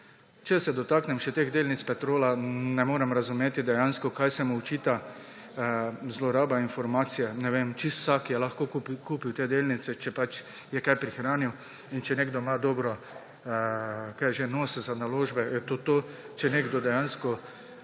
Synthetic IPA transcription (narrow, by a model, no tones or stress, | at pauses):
t͡ʃɛsɛd̪ɔt̪aknɛmʃɛt̪eːɣd̪eːlnit̪spɛt̪ɾoːlanɛmoːɾɛmɾazumeːt̪id̪ɛjanskɔkajsɛmuʊt͡ʃiːt̪a | zlɔɾaːbainfɔɾmaːt̪sijɛnɛʋemt͡ʃist̪w̥sakjɛlaxkoːkuːpiwt̪eːd̪eːlnit̪sɛt͡ʃɛpat͡ʃ | jɛkajpɾixɾaːniw | int͡ʃɛneɡd̪ɔmad̪ɔːbɾɔ | kajʒenoːsɛzanaloːʒbɛjɛt̪oːt̪oː | t͡ʃɛneːɡd̪ɔd̪ɛjanskɔ